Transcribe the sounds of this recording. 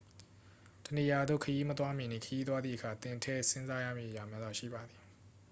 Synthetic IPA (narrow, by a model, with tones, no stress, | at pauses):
tə˨ni˨ja˨d̪o̰˦˨kʰəji˦mət̪wa˦mɪ̃˨nḭ̃˦˨kʰəji˦t̪̬wa˦d̪ði˦˨ʔəkʰa˨t̪ɪ̃˨ntʰɛ˦˨sɪ̃˦nza˦ja̰˦˨mḭ˦ʔəja˨mja˦d̪a˦˨ʃḭ˦˨ba˨d̪i˨